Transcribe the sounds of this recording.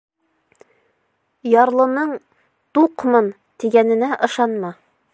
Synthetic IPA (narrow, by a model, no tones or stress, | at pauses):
jɒɾlˠɤ̆nɤɴ | t̪uqmɤn | t̪iɡænɘ̆næʔɤ̆ʃɑnmɑ